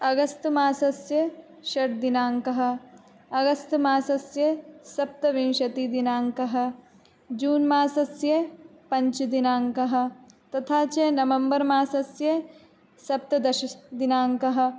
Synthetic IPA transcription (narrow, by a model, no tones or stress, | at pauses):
ɐɡɐst̪maːsɐsjɐ | ʃɐʈ̚d̪inaːŋkɐɦɐ̆ | ɐɡɐst̪maːsɐsjɐsɐp̚t̪ɐʋinʃɐt̪id̪inaːŋkɐɦɐ̆ | d͡ʒuːnmaːsɐsjɐ | pɐɲt͡ʃd̪inaːŋkɐɦɐ̆t̪ɐt̪ʰaːt͡ʃenɐʋɐmbɐɾmaːsɐsjɐ | sɐp̚t̪ɐd̪ɐʃɐd̪inaːŋkɐɦɐ̆